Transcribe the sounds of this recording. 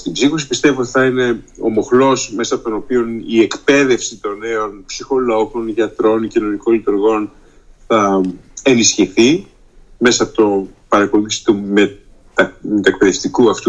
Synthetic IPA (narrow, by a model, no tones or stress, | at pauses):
st̪ibzixosipist̪e̞viot̪i̥θɐine̞o̞̰mo̞xlo̞sme̞sɐpot̪ono̞pio̞nie̞kpe̞ðe̞fsit̪o̞ne̞o̞npsixo̞lo̞ko̞nʝɐt̪ɾo̞ncino̞niko̞nlit̪uɾɣo̞n | θɐe̞nisçiθi | me̞sɐɐpot̪opɐɾɐkolisi̥t̪ume | ɐmet̪uek̚pe̞ðe̞ft̪ikuɐft̪u